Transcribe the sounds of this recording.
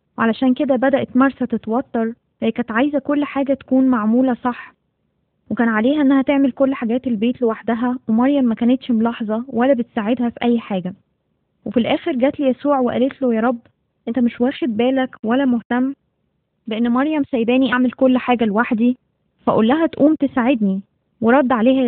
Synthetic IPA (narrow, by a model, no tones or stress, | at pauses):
weʕalæʃæːnked̪æbæd̪æʔt̪mɑɾˤsæt̪et̪wɑt̪ːɑɾˤ | fækæt̪ʕajzækolːħaːɡæt̪æ̥kuːnmaʕmuːlæsˤɑħ | wekæːnʕaleːɦæʔenːæhæt̪eʕmelkolːħaɡæːt̪elbeːt̪lewaħd̪æɦæwemɑɾˤjæmːækæːnet̪ʃmolɑħzˤɑwælːæbet̪saʕed̪hæfiʔæjːħaːɡæ | wefilʔæːxeɾɡæːt̪lijæsuːʕweʔæ̰let̪lojæːɾˤɑbː | ʔent̪æmeʃwæːxed̪̚bæːlækwælːæmoht̪æmː | beʔenːmɑɾˤjæmsæjbæːniʔaʕmelkolːħaːɡælwaħd̪i | fæʔolːæɦæt̪ʔuːmt̪esaʕed̪ni | weɾˤɑd̪ˤːʕaleːhæ